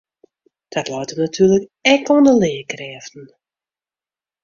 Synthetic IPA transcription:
d̥ɔtlɔːtəʋənatʰyːrləkɛkondəlɪːkrɛːftn̩

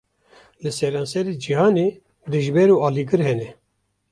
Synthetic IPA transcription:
lɨsɛɾɑːnsɛɾed͡ʒihɑːne | riʒbɛɾuːɑːliɡɨɾhɛnɛ

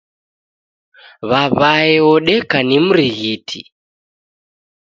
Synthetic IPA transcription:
βaβaɛɔɗɛkanimuɾiɣetʰḭ

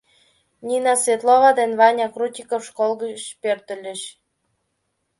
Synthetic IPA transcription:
nʲinɑsβʲet̪loβɑd̪enβɑnʲɑkrut̪ʲikofʃkolɣəɕpørt̪ə̆lʲə̆ɕ

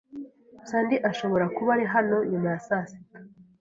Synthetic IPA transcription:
saːndiʔaʃo̞βo̞ɾakuβaɾiɦano̞ɲumajasaːsi̥

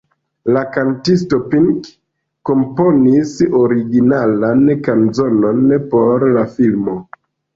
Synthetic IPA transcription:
lakantisto̞piŋk | kːo̞mpo̞nisoɾiɡinalankanzo̞no̞npo̞ɾlafilmo̞

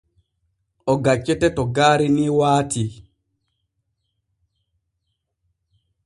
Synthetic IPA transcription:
ʔɔɡat͡ʃːɛtɛtɔɡaːɾiniwaːtʰi

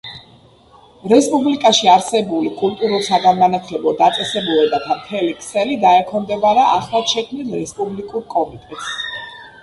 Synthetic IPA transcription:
ɾɛspʼublikʼaʃiaɾsɛbulikʼult̪ʼuɾulˠsaɡanmanat̪ʰlɛbɔd̪at̪sʼɛsɛbulɛbat̪ʰamt̪ʰɛlikʰʼsɛlid̪aɛkʰɔnd̪ɛbaɾaʔaχlˠaʃɛkʰmnilˠɾɛspʼublikʼuɾkʼɔmit̪ʼɛt̪ʰs

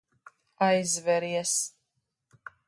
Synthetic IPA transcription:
ajzvɛɾiɛs

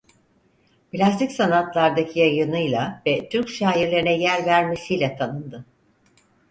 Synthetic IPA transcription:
plʲast̪icsanat̪lˠaɾd̪acʰijajɯnɯjlˠavɛt̪ʰyɾcʃaːjiɾlʲeɾinɛjæɾvæɾme̞sijlʲɛt̪ʰanɯnd̪ɯ

